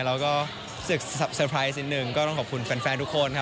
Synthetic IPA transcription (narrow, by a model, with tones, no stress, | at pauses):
ɾɛː˦˧˥wkɔː˥˩ | sɯ˨˩k̚sa˨˩p̚sɤː˧pʰɾaː˦˥js̬ʔi˨˧˩t̪nɯ˨˩ŋkɔː˥˩t̪ɔ˥˩ŋkʰːp̚kʰu˧nfɛː˧nfɛː˧nt̪u˦˥kʰːo˧nkʰa˦˥